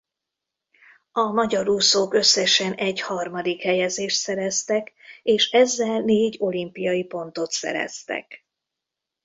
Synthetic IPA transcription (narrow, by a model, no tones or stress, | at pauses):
ɒmɒɟɒɾuːsokø̞sːɛʃɛnʔɛɟhɒrmɒd̪ikhɛjɛzeːʃt̪sɛɾɛst̪ɛkeːʃɛzːɛlneːɟo̞limpijɒjipo̞nt̪o̞t̪sɛ̰ɾɛ̰st̪ɛ̰k